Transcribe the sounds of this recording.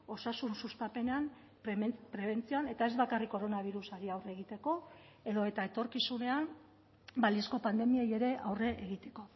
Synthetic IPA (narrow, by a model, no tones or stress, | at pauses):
o̞sasunsust̪ape̞neam | pɾe̞β̞e̞nt͡sioane̞t̪ae̞zbakarikːo̞ɾo̞naβ̞iɾusaɾiawre̞ɣ̞it̪e̞ko̞ | e̞ðo̞e̞t̪ae̞t̪o̞ɾkisune̞an | baliesko̞pand̪e̞mieje̞ɾe̞ʔawre̞ʔeɣ̞it̪e̞̥ko̞